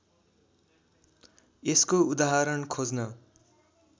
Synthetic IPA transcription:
eskoud̪aɦaɾʌnkʰod͡znʌ

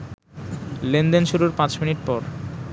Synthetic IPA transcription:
lend̪enʃuɾuɾpãt͡ɕminiʈ̚pɔɾ

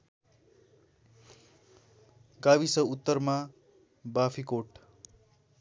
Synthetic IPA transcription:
ɡabisʌut̪ːʌrma | bapʰikoʈ

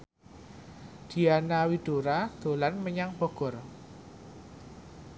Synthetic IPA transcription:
d̪̥i̤anawid̥oɾad̪̥o̤lanməɲaŋb̥ɔ̤ɡ̥ɔ̤r

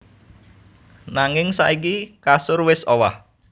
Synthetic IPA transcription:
naŋɪŋsa̰ʔik̬ikasʊrwɪsowah

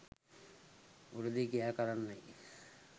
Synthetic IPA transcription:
uɾud̪ikijaːkaɾanːaj

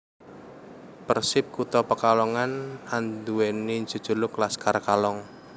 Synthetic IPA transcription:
pərsɪp̚kut̪ɔpəkalɔŋanand̪uwɛnind͡ʒṳ̥d͡ʒ̥ṳlʊklaskarkalɔŋ

